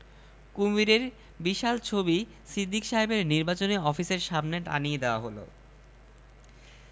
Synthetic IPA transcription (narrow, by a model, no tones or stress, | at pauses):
kumiɾeɾ | biʃalt͡ɕʰobi | sid̪ʱːikʃaɦebeɾniɾbat͡ɕoneɔfiseɾʃabneʈa̰nijed̪eoaɦolo̰